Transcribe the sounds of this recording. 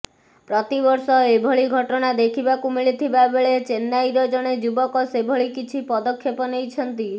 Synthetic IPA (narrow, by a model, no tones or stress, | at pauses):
pɾɔt̪ibɔɾsɔebʱɔɭiɡʱɔʈɔñad̪ekʰibakumiɭit̪ʰibabeɭet͡ʃenːajɾɔd͡ʒɔɽ̃ed͡ʒubɔkɔsebʱɔɭikit͡ʃʰipɔd̪ɔkʰːepɔnejt͡ʃʰɔnt̪i